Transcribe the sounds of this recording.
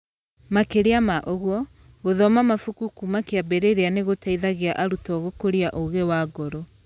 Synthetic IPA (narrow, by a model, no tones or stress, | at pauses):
makeɾeamaʔoɣwɔ | ɣoðɔmamafukukumakeabɛɾeɾeaneɣotaiðaɣeaʔaɾutɔɣokoɾiaʔoɣewaːɡɔɾo